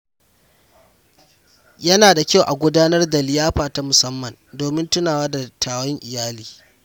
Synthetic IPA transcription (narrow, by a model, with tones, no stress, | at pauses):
jɐ˦naː˨da˨kʲa˦wʔa˨ɡʷʊ˦daː˦nɐ˦rda˨lɪ˨jaː˦ɸaː˨ta˦mʊ˨sɐ˦mːɐ˨ndoː˨mɪ˦ntʊ˦naː˨waː˦da˨tʰaː˨wɔ˦ŋʔɪ˨jaː˦liː˨